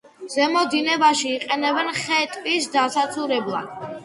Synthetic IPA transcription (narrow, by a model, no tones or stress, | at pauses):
zɛmɔd̪inɛbaʃiːqʼɛnɛbɛnχɛt̪ʼvisd̪asat̪sʰuɾɛblˠa̰d̪̥